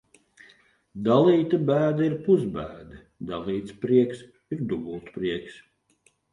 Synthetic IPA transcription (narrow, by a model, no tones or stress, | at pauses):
d̪alˠiːt̪abæːd̪aiɾpuzbæːd̪ɐ | d̪alˠiːt̪spɾiɛks | iɾd̪uɡulˠt̪pɾiɛks